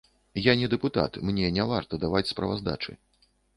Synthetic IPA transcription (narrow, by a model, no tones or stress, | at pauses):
janʲɛd̪ɛput̪a̰t̪mnʲɛnʲavart̪ɐd̪avat͡sʲspɾɐ̰va̰zd̪a̰t͡ʂɨ̰